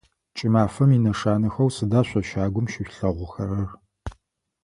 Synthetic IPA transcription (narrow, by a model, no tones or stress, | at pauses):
t͡ʃʼɪmaːfɐminɐʂaːnɨxɐwsɨdaːɕʷɐʃaːɡʷʊmʃɪɕɬɐʁʷʊxɐɾɐr